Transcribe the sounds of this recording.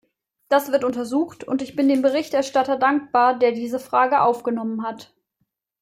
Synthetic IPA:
d̥asv̥ɪɐtʊntɐzuːxtʊ̰ntɪçb̥ɪndeːmbəʁɪçtʔɛɐʃtatɐdaŋk̚b̥aːɐdeːɐdiːzəfʁ̥aːɡəʔaʊfɡ̥ənɔmənɦat

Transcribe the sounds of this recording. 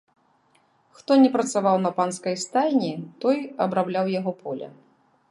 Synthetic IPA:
xt̪ɔnʲɛpɾɐt̪savawnɐpanskɐjst̪ajʲnʲit̪ɔjɐbɾablʲawjaɣɔpʰɔlʲɐ̰

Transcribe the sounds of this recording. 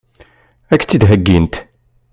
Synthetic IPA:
ækːt͡sːid̪ɦæɡːint̪

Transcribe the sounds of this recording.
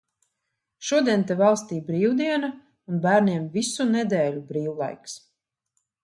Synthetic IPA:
ʃuɔd̪iɛnt̪ɛvɑlˠst̪iːbɾiːwd̪iɛna | unbæːɾniɛmvisunɛd̪ɛːlʲubɾiːwlˠa̰jks

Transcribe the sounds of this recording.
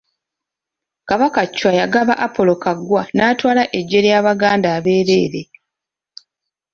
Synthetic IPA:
kaβakacːwajaɡaβaʔapo̞lo̞kaɡwanaːtwaːlaʔe̞ɟːe̞ɾjaːβaɡaːndaːβe̞ːɾe̞ːɾe̞

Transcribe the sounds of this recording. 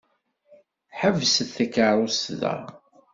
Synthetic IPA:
ħəvsəθːækːəɾˤosðæ̰

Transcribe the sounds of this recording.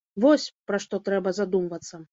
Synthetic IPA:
vɔsʲpɾɐʂt̪ɔt̪ɾɛbɐzad̪umvɐt̪sːɐ

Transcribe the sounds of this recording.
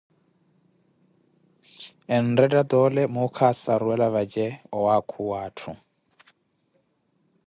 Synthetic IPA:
ɛndɛdʼad̪ɔlɛmukʰasaɾuɛlaβad͡ʒɛɔwakʰuwaːtʰu

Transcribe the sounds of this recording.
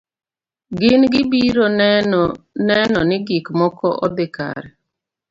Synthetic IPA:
ɡɪnɡɪbiɾon | nɛnɔnɪɡikmɔkɔ̰ʔɔd̪ɪka̰ɾɛ

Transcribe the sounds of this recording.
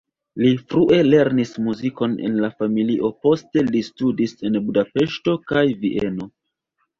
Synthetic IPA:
lifɾuʔe̞le̞ɾnismuziko̞ne̞̰nlafamiliʔo̞po̞ste̞listudise̞nbudape̞ʃto̞kajviʔe̞no̞

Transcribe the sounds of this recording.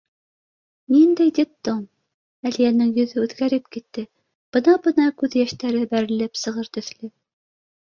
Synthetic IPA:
nind̪æjd̪ʲɪp̚t̪om | ælijænɘŋjɵ̆ðɵʉðɡæɾɘpkit̪ːɘ | b̥ɤnɑbɤnɑkʉðjæʃt̪æɾɘbæɾɘ̆lɘpsɤ̆ʁɤɾt̪ɵ̆θlɘ

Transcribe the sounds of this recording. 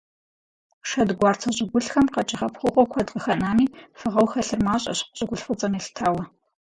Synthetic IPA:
ʂɐdɡʷɑːrtʰɐɕʼɪɡʷʊɬxɐmqɐt͡ʃʼɪχɐpχʷʊqʷʼɔkʷʰɐdqʼəxɐnaːmiːfɨʁɐwxɐɬɨrmaːɕʼɐ̰ɕqʷʊ̥ɕʼɪɡʷʊɬfɨt͡sʼɐmeɬtʰaːwɐ

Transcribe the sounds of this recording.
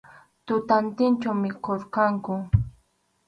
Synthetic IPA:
t̪ʊt̪ant̪ɪnt͡ʃawmɪkoɾqɑŋkʊ

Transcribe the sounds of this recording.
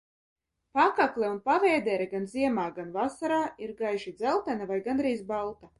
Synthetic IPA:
pakaklʲɛunpavɛːd̪ɛːɾɛɡanziɛmaːɡanvasaɾaːiɾɡajʒid̪zɛlˠt̪anavajɡanɾiːzbalˠt̪a

